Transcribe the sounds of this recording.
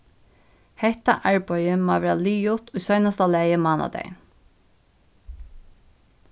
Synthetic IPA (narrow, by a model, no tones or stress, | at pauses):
hɛht̪a̰ʔæɹpɔʏjəmɑːʋæːɹaliːʊt̪ʊjsœʏnast̪alɛːjəmɑːna̰d̪ḛɪn